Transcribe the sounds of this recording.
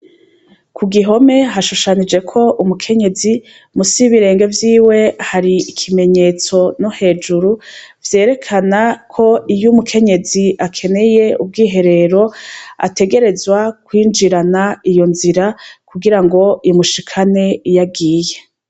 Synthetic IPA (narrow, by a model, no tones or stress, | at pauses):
kʰuɡiɦo̞me̞ɦaʃuʃanid͡ʒe̞kʰo̞ʔumukʰe̞ɲe̞zi | musiβiɾe̞ːŋɡe̞vjiːwe̞haɾiːkʰime̞ɲe̞ːt͡so̞nohe̞ːd͡ʒuɾuvje̞ːɾe̞kʰanakʰo̞ijumukʰe̞ɲe̞ziʔakʰe̞ne̞je̞ub̚ɡiːɦe̞ɾe̞ɾo̞a̰te̞ɡe̞ɾe̞zwakwiːnd͡ʒiɾanaijo̞nziɾakuɡiɾaŋɡo̞muʃikʰane̞jaɡiːje